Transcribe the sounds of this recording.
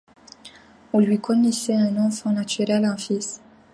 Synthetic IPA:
ɔ̃lɥikɔnɛsɛɛ̃nɔ̃fɔ̃nat̪yʁɛlɑ̃fis

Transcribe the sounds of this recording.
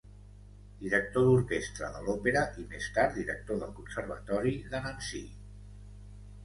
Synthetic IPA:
d̪̥iɾək̚t̪oðuɾkest̪ɾə̰ðəlɔpeɾəʔimest̪aɾt̪d̪iɾək̚t̪oðəlˠkunsəɾβ̞ə̰t̪ɔɾiðənənsḭ

